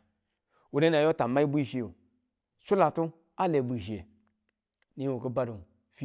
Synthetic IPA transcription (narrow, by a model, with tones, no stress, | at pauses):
wu˨da˦na˨jo˦ta˨ma˦i˦bu˦i˦ʃi˧jo˨ | t͡ʃu˦la˨tu˦ | a˦le˨bʷu˨ʒi˨e˨ | ni˦wo˨ke˦ba˦do˨ | fi˦